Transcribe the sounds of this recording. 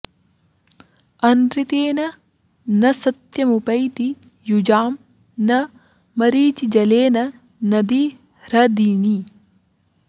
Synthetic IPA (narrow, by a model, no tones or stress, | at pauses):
ɐnd̪ɾit̪eːnɐ | nɐsɐt̪jɐmupɐjt̪i | jud͡ʒaːm | nɐ | mɐɾiːt͡ʃid͡ʒɐleːnɐ | nɐd̪i | ɾɐd̪iːɳi